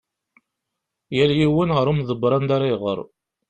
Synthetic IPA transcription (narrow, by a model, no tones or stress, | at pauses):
jæljiwinʁəɾˤumðˤəbɾˤɑnd̪aɾˤiʁə̰ɾˤ